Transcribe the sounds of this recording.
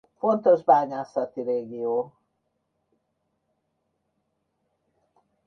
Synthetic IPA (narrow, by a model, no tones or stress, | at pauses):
fo̞nt̪o̞ʒbaːɲaːsɒt̪iɾeːɡioː